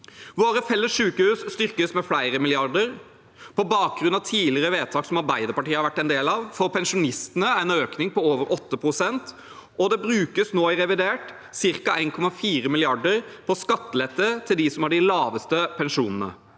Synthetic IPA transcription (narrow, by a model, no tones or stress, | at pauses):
ʋoːɾəfɛlːəsʂʉːkəhʉːsst̪ʏɾkəsmɛflæɪɾəmɪlɪɑʁɖəɾ | pʰɔbɑːk̚ɡɾʉnɑʋt̪ʰiːlɪɾəʋeːt̪ʰɑːksɔmɑɾbæɪd̪əɾpɑʈiːəhɑɾʋæʈːɛɪnd̪eːlɑʋfɔɾpʰɛnʂʊnɪst̪ənəæɪnøːknɪŋpɔoːʋəɾʔɔt̪ːəpʰɾʊsɛnt̪ | ɔd̪ɛbɾʉːkəsnoːɪɾɛʋɪd̪eːʈ | sɪɾkɑæɪnkʰɔmɑfiːɾəmɪlɪɑɖəɾpʰɔskɑt̪ːəlɛt̪ːət̪ʰɪld̪ɪsɔmhɑɖɪlɑːʋəst̪əpʰɛnʂuːnənə̰